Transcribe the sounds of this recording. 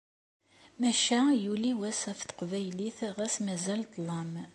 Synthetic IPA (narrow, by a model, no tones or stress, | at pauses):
mæʃæjuliwæsæfθə̥qvæjliθʁæsmæzælt̪ˤlˤɑm